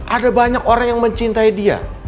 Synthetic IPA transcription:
ʔadabaɲakoɾaŋjaŋməɲt͡ʃint̪aidia̰

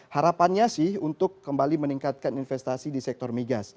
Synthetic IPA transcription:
haɾapanɲasɪhunt̪ʊkːəmbaliməniŋkat̪̚kaninfɛst̪asidisɛk̚t̪ɔrmiɡas

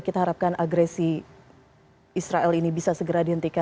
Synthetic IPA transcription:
kit̪aɦaɾap̚kanʔaɡɾesi | isɾaʔɛlinibisasəɡəɾadiɦənt̪ika

